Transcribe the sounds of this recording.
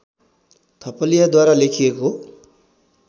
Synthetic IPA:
t̪ʰʌpʌlijʌd̪waɾalekʰijeko

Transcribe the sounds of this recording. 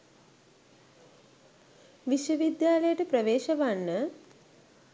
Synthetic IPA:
ʋiʃwəʋid̪jaːləjəʈəpɾəʋeːʃɐʋaɳːə

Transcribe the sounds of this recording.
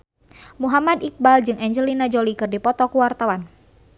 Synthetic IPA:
muɦamad̪ik̚bald͡ʒɨŋɛɲd͡ʒəlinad͡ʒolikɨrdipɔt̪ɔkuwart̪awan

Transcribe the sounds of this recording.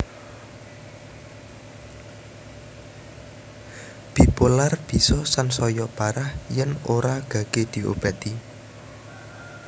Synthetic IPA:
b̥i̤polarb̥i̤sɔsansɔjɔpaɾahjɛnoɾaɡ̥ä̤ɡ̥ed̪̥i̤ʔo̰b̥a̤t̪i

